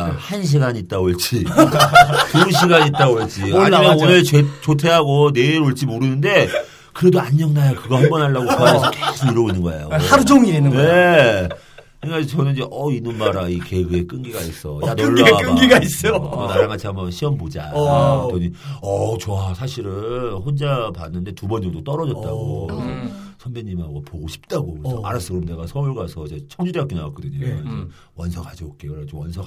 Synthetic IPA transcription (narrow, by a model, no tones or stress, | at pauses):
hanɕ̬ʰiɡaɲiːt̚t͈aoɭt͡ɕ͈i | tunɕ̬ʰiɡaɲit͈̚aoɭt͡ɕ͈iaimanonɯɭt͡ɕet͡ɕotʰe̞ɦaɡone̞iɾoɭt͡ɕ͈imoɾɯnɯnde̞ | kɯɾe̞doaɲːʌŋnajakɯɡʌhambʌnɦaɭːaɡokɯaesʰʌkesʰoiɾʌɡinːɯnɡʌḛjo̰haɾud͡ʑoŋienɯnne̞ | kiŋkad͡ʑit͡ɕʌnɯnd͡ʑeʔʌinɯnmaɾaike̞ɡɯe̞k͈ɯŋɡiɡais͈ʌjanoɯɭːɡaek͈ɯŋɡiɡais͈ʌonaɾaŋɡat͡ɕʰiɦambʌnɕʰiwʌnbod͡ʑatoɲiʌt͡ɕoasʰaɕʰiɾɯnɸond͡ʑapanːɯnde̞tubʌnd͡ʑʌŋdot͈ʌɾʌd͡ʑʌt̚t͈aɡo | sʰʌmbeɲːimɦaɡopoɡoɕʰi̥p̚t͈aɡoksʌa̰ɾas͈ɯɾomne̞ɡasʰʌuɭɡasʰʌt͡ɕet͡ɕʰʌŋd͡ʑudeak͈enawatk͈ɯdɯɲod͡ʑe | wʌnsʰʌkad͡ʑiɡok͈eoat͡ɕomwʌnsʰʌ